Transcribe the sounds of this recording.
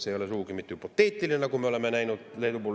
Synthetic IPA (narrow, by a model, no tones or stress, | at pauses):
seijolesuːkimit̪ːˑyːpot̪ːeːt̪ːilinækummeolemːenæinot̪leit̪upu